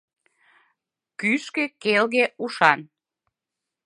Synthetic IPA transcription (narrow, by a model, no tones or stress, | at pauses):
kyʃkekelɣeuʃɑn